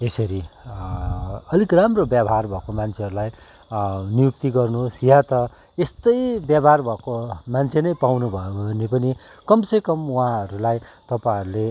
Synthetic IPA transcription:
esʌɾi | ʌlikramrobjabʱɦarbʱʌkomant͡sʰeɦʌɾulaj | nijuk̚t̪iɡʌrnuɦosjãt̪ʌ | est̪ʌjbjabʱarbʱʌkomant͡sʰenʌjpawnubʱʌonepʌni | kʌmsekʌmuãɦʌɾulajt̪ʌpãʌɾule

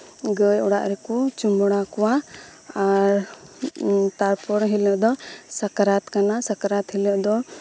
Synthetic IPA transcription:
ɡəjɔɽa̰ʔɾɛkut͡ʃumbɔɽ̃akɔwa | aɾ | t̪aɾpɔɾɦilɔʔd̪ɔsakaɾat̪kanasakaɾat̪hilɔʔd̪ɔ

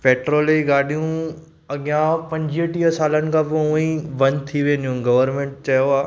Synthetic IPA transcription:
peːʈɾoːleiɡaːɗijũ | ɐɡɪjãpɐ̃ɲd͡ʒiəʈiəsaːlənɪ̆kʰabouĩʋɐnt̪ʰiʋẽːnd̪ijũɡɐʋəɾmẽɳʈ̚t͡ɕɐjoaː

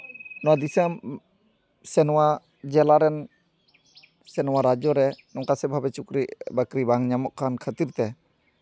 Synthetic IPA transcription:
nɔwad̪isəm | sɛnɔwa | d͡ʒɛlaɾɛn | sɛnɔwaɾad͡ʒɔɾɛnɔŋkasɛbʱabɛt͡ʃukɾiʔbəkɾibaŋɲamɔʔkankʰət̪iɾt̪ɛ

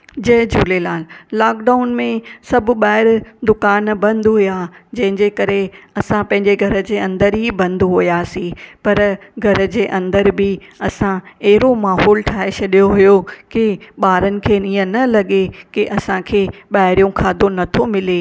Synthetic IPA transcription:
d͡ʑɐɦɪd͡ʑuːlelaːlːaːk̚ɖaːʊnmẽsɐbʱʊ̆ɓaːɪɾd̪ʊkaːnbɐ̃nd̪ɦʊjad͡ʑɐ̃ɦɪ̃ɲd͡ʑekɐɾeɐsãpɐ̃ɦɪ̃ɲd͡ʑeɡʱɐɾə̆d͡ʑeːɐ̃nd̪əɾɦibɐ̃nd̪ɦujaːsĩpɐɾɡʱɐɾə̆d͡ʑeːʔɐ̃nd̪əɾbɪɐsãɐɦɪɾomaːɦɔːlʈʰaːɦet͡ɕʰɐɗijoɦujokɪɓaːɾənɪ̆kʰeːĩə̃nɐlɐɠekɪʔɐsãkʰeːɓaːɦɪɾijũkʰaːd̪onɐt̪ʰomɪle

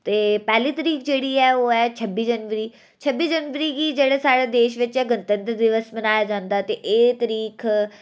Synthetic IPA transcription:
t̪eːpɛːliːt̪əɾiːk̚d͡ʒeːɽiːɛːoːɛːt͡ʃʰəbːiːd͡ʒənʋəɾiː | t͡ʃʰəbːiːd͡ʒənʋəɾiːɡiːd͡ʒeːɽaːsaːɽaːd̪eːʃʋɪt͡ʃɛːɡənt̪ə̃nt̪ɾəd̪ɪʋəsbənaːjaːd͡ʒãːnd̪aːt̪eːʔeːt̪əɾiːkʰ

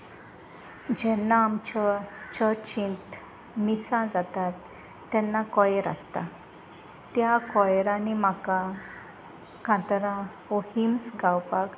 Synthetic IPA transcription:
d͡ʑɛnːaːmt͡ɕɔt͡ɕɔt͡ɕĩnt̪ | misãd͡zat̪at̪ː | ɛ̃nːakɔjɾa̰st̪a̰ | t̪jakɔjɾãnimaka | kãt̪ɾã | ohimsɡawpak

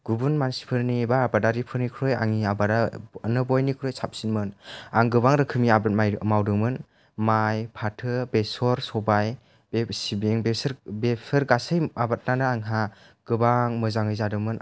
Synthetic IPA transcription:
ɡ̥ubunmansi̥pʰɯɾnibaːbadaɾipʰɯɾnikʰɾoja̰ŋiabadanɯbɔjnikʰɾɔjsap̚sinmɯnaŋɡɯβaŋɾɯkʰɯmiabat̚majmawdɯŋmɯn | majpʰatʰɯbesɔɾsɔbaj | besibeŋbesɾbesʰɯɾɡasəjabat̚nanɯːŋɦa | ɡ̥ɯbaŋmɯzaŋɯjzadɯŋmɯn

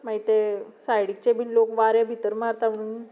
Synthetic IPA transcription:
maɦit̪esajɽik̚t͡ɕebʱinlokʋaɾjabʱit̪əɾmaɾt̪aʋəɽun

